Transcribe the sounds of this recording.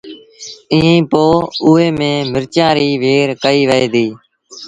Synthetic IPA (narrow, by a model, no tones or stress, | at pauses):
ĩːẽːpoːʊːɦeːmẽːmɪɾt͡ʃãːɾiːʋeːɾkəiːʋəeːd̪iː